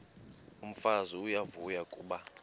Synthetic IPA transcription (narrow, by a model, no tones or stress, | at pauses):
um̩faziujavujakʼṵːɓa